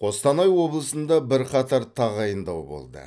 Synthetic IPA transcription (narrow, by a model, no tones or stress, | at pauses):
qʰo̞st̪ɑnɑjwo̞blˠəsənd̪ɑbɪɾqʰɑt̪ʰɑɾt̪ʰɑʁɑjənd̪ɑwbo̰lˠd̪ə̰